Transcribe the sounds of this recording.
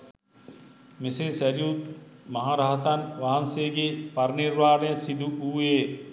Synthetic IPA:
mesesæɾjut̪mɐɦaːɾɐɦɐt̪ɐnʋaɦɐnseːɡepaɾniɾʋaːnejəsid̪uuːeː

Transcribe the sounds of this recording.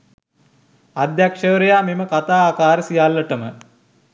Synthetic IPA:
ad̪jakʂəɾejaːmeməkat̪aːaːkaːɾəsijalːəʈəmə

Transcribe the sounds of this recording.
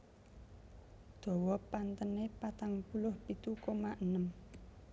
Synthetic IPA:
d̪̥ɔ̤wɔpant̪ənepat̪aŋpulʊhpit̪ukomaʔənəm

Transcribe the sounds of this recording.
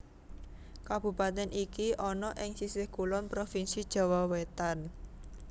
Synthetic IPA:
kab̥ṳpat̪ɛnʔikiʔɔnɔʔɪŋsisɪhkulɔnpɾofinsid̥ʒ̥ɔ̤wɔwet̪an

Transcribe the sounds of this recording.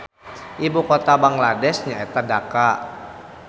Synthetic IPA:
ʔibukot̪abaŋladɛsɲaet̪adaka

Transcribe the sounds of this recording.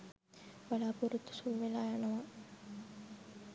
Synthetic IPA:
ʋalaːpuɾut̪ːu̥sumʋelaːjanɐʋa

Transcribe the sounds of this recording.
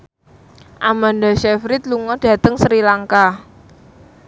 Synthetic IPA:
ʔamandaʃɛfɾɪt̪luŋɔd̥ä̤t̪əŋsɾilaŋka

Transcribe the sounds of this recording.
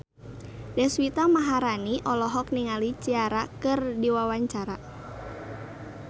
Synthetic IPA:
dɛswit̪amaɦaɾaniʔɔlɔɦɔk̚niŋalit͡ʃiaɾakɨrdiwawaɲt͡ʃaɾa

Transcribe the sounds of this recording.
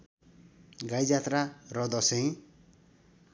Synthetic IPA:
ɡajd͡zat̪rarʌd̪ʌsẽj̃

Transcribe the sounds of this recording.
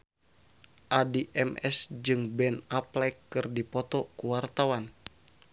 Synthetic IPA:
ʔadiʔɛmɛsd͡ʒɨŋbɛnaplɛkːɨrdipɔt̪ɔkuwart̪awan

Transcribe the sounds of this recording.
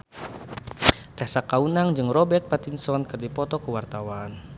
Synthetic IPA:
t̪asakaunaŋd͡ʒɨŋrɔbɛrt̪̚pat̪insɔnkɨrdipɔt̪ɔkəwart̪awan

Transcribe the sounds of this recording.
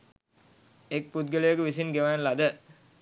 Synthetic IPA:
ek̚put̪̚ɡələjəkəʋisinɡeʋanlad̪ə

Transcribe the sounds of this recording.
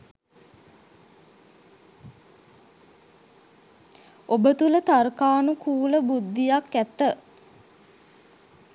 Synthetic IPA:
obət̪ulət̪arkaːnukuːləbud̪ːijakːæt̪ə

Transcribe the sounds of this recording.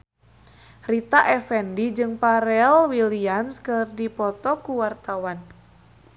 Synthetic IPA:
rit̪aʔɛfɛndid͡ʒɨŋpaɾɛlwiliamskɨrdipɔt̪ɔkuwart̪awan

